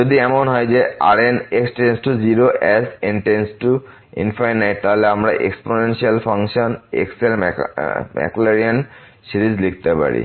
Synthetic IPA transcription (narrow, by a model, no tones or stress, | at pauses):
d͡ʒod̪ʱiɛmonɦɔjd͡ʑea̰ɾeneksʈensʈud͡ʑiɾoʔɛsenʈensʈu | ḭnfajnajt̪aɦoleamɾaʔḛksponenʃialfaŋʃonḛkselmmɛ̰kulaɾiansiɾid͡ʑlik̚ʰt̪epa̰ɾḭ